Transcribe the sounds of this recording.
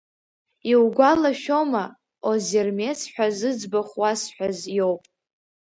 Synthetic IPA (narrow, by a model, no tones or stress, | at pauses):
iwɡʷalaʃoma | ozermesħʷᶣazɨd͡zbaχwasħʷᶣazjo̞wpʼ